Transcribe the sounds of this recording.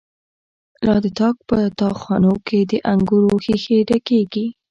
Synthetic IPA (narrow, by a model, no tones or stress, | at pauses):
lɑd̪ət̪ɑk̚pət̪ɑxwɑnokʰed̪əʔaŋɡuɾoxixeɖakeɡi